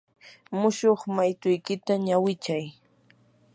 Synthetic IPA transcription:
mʊʃoχmajt̪ʊjkɪt̪aɲawɪt͡ʃaj

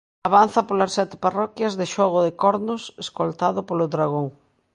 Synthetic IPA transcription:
aβanθɐpolasːɛt̪ɪ̥parɔkjɐzðɪʃɔɣ̞ʊðɪkɔɾnʊseskolt̪aðʊpolʊðɾaɣ̞oŋ

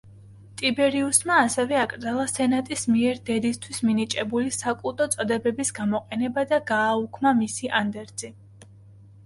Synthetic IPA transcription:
t̪ʼibɛɾiusmaːsɛvɛakʼɾd̪zalˠasɛnat̪ʼismiɛɾd̪ɛd̪ist̪ʰwisminit͡ʃʼɛbulisakʼut̪ʼɔt̪sʼd̪ɛbɛbisɡamɔqʼɛnɛbad̪aɡaːukʰmamisiʔand̪ɛɾd̪z̥i

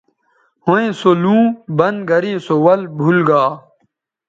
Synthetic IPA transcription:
hoẽsolũːbɐnɡʱɐɾĩːsowɐlbʱulɡaː

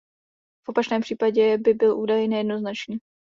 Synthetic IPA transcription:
fʔo̞pat͡ʃnɛːmpr̥iːpaɟɛbɪbɪlʔuːdajnɛjɛdnoznat͡ʃɲiː

